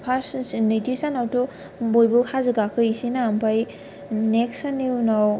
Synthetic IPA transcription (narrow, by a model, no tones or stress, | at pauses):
pʰassnitisanawtɔ | bojbuhazɯɡakʰɯisinaːmpʰaj | neksaneunaw